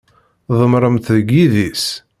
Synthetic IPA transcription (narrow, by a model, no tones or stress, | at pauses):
ðˤəmɾˤəmθðəɡiðis